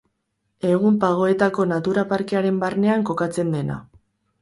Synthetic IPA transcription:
e̞ɣ̞umpaɣ̞o̞e̞t̪ako̞nat̪uɾapaɾke̞aɾe̞mbarne̞aŋko̞kat͡se̞nd̪e̞na̰

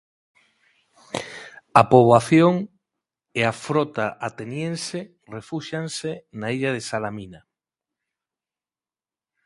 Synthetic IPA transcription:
apoβaθjoŋ | eafɾot̪aʔat̪enjẽnse | refuʃansenaiʎað̞esalamina

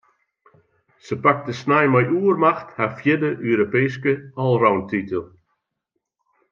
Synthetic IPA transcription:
səpak̚dəsnajmajʔuərmaxthafjɪdəʔøːɾopeːskəɔlˠrawntitəlˠ

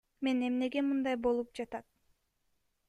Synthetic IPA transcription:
me̞ne̞mne̞ɡe̞mɯnd̪ɑjbo̞lˠup̚d͡ʒɑt̪ɑt̪̚

